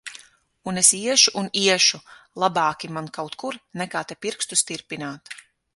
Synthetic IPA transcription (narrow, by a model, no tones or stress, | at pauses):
unesiɛʃuʔuniɛʃulˠabɑːkʲimankawt̪kuɾnɛkaːt̪ɛpiɾkst̪ust̪iɾpinaːt̪